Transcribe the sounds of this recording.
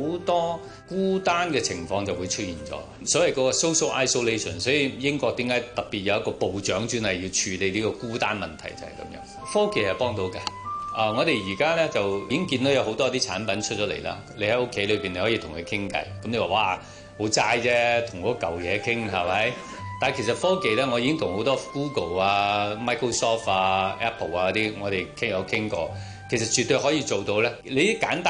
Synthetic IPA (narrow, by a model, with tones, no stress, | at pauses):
wt̪ɔː˥ | kuː˥t̪aː˥nkɛː˧t͡sʰɪ˨˩ŋfɔː˧ŋt͡sɐ˨wu˨˧jt͡ʃʰɵ˥t̚jiː˨nt͡ʃɔ̰ː˨˥ | sɔ˨˥wɐ˨jkɔː˧˥kɔː˧so˥wso˥wʔaː˥jso˥wle˥jsɔ˨˩nsɔː˨˥ji˨˧jɪ˥ŋkɔː˧k̚t̪iː˨˥mkaː˨˥jt̪ɐ˨k̚piː˨t̚jɐ˨˧wjɐ˥tkɔː˧po˨wt͡ʃœː˨˥ŋt͡ʃyː˥nɐ˨˩jiː˧wt͡ʃʰyː˨˧le˨˧liː˥kɔ˧kuː˥t̪a̰ː˥nmɐ˨nt̪ʰɐ˨˩jt͡sɐ˨˩hɐ˨jkɐ̰˨˦mjœ̰ː˨˥ŋ | fɔː˥kʰe˨˩hɐ˨˩pɔː˥ŋt̪o˨˧wka˧ʔɐː˨˩ŋɔː˨˧ɾe˨jjiː˨˩kaː˥lɛː˥t͡sɐ˨wi˨˧ɪ˥ŋkiː˧nt̪o˨˥wjɐ˧who˨˥wt̪ɔ˥t̪iː˥t͡sʰa̰ː˨˥npɐ˨˥nt͡ʃʰɵ˥t͡ʃɔː˨˥lḛ˨˩jla̰ː˧ | le˨˧jhɐ˨˥ʊ˥kʰːe˨˥jlɵ˨˧piː˨nle˧jhɔː˨˥jiː˧t̪ʰʊ˨˩ŋkʰɵ˨˧kʰɪ˥ŋkɐ̰˧˥jkɐ˨˦mle˧waː˨˩waː˧ | ho˨˥wt͡saː˥jt͡sɛː˥t̪ʰʊ˨˩ŋkɔː˧˥kɐ˨wjɛː˨˧kʰɪ˥ŋɦɐ˨˩mɐ˨˦˥j | t̪aː˨nkʰe˨˩sɐ˨t̚fɔː˥ke˨jlɛː˥ŋɔ˨˧jiː˧ɪ˥ŋt̪ʰʊ˨ŋho˨˥wt̪ɔː˥kuː˥ko˨˩waː˧maː˥jkʰo˥sɔː˥faː˧ɛ˥pʰːo˨˩waː˧kɔ˧˥t̪iː˥ŋɔː˨˧ɾe˨jkʰŋjkʰɪ˥ŋkɔ̰ː˧ | kʰe˨˩js̬ɐ˨t̚t͡ʃy˨t̪ːɵ˧jɦɔː˨˥jiː˧t͡so˨wt̪o˧wlɛː˥le˨˧jɪ˥kːaː˨˥nt̪a